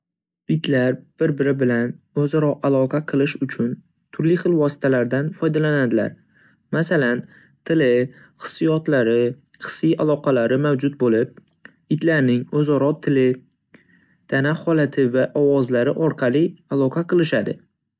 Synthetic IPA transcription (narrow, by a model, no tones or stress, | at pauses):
ɪt̪laɾb̥ɪɾbɪɾɪbɪlan | ɵzaɾɒʔalˠɒqʰɑqʰɨlˠɪʃʊt͡ʃʰʊn | t̪ʰʊɾlɪχɨlˠvɒsɪ̥t̪ʰalaɾd̪anfɒjd̪alanad̪ɪla̰ɾ | masalan | t̪ʰɪlɪ | χɨ̥sːɪjɒt̪laɾɪ | χɨ̥sːijalˠɒqʰɑlaɾɪmawd͡ʒʊt̪̚bolɪp̚ | ɪt̪laɾnɪŋɵzɒɾɒt̪ʰːɪlɪ | d̪̥anaqhɒlat̪ʰɪvaʔɒwɒzlaɾɪʔɒɾqʰɑlˠɪalˠɒqʰɑqʰɨlˠɪʃad̪ɪ